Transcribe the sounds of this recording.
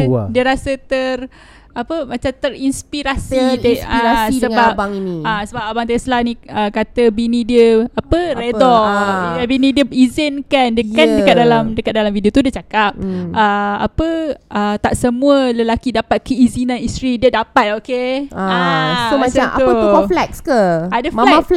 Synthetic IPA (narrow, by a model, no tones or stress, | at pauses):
diəɾasət̪ər | apəmãt͡ʃamt̪ərinspiɾasid̪aasisəbap̚bŋiniasəbap̚abaŋt̪ɛslanĩəkat̪əbinĩdiəapəredɔ | binĩdiəizɪnkandəkandəkat̪̚dalamdəkat̪̚dalamfidiot̪udiət͡ʃakap̚əa̰pəʔət̪aʔsəmũələlakidapat̪̚kəizinãnist̪ɾidiədapat̪̚okeaomat͡ʃamat̪uəɔflɛkskaadəmalɛaf